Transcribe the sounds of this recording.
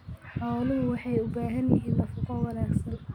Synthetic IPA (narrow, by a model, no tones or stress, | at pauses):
ħɔlɪhʊwɑħɑjʊbaːɦɐnjɪɦiːnlɐfʊqɔwɑlaːɡsɐn